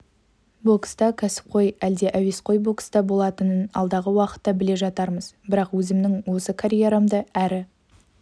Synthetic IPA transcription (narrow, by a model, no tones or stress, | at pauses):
bokst̪ɑkʲʰæsɪ̥p̚qʰo̞jæld̪e̞ʔævesqo̞jbo̞kst̪ɑbo̞lˠɑt̪ənənɑ̰lˠd̪ɑʁəwɑqə̥t̪ːɑbɪle̞ʒɑt̪ɑɾməzbɪɾɑqwɵzɪmnɪŋwo̞səkʰaɾʲije̞ɾamd̪əæɾɪ